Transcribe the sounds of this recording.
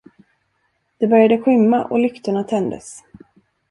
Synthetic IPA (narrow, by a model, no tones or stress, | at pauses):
d̪̥ɛbœɾjad̪əɧʏmːaʔɔ̰lʏkt̪əɳat̪ʰɛnd̪ə̰s